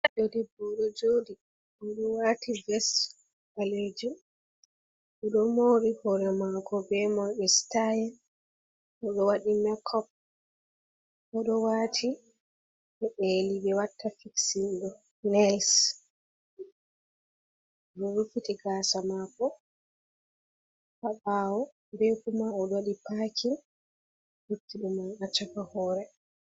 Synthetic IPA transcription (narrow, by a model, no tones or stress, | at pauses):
aɗodibɔɗɔd͡ʒodi | ɔɗɔwativɛs | aled͡ʒum | ʔɔɗɔmoːɾihɔɾɛmaɡɔbɛmɔjɓɛstajɛn | ʔɔɗɔwaɗimɛkʰɔp̚ | ʔɔɗɔwaːtʰi | ɛʔeliɓɛwatʰːafiksindɔ | nɛls | ɗɔɾufitiɡaːsamakɔ | habaːwɔ | bɛkumaɔɗwaɗipaːkʰin | ɗutːiɗumanat͡ʃafahɔːɾɛ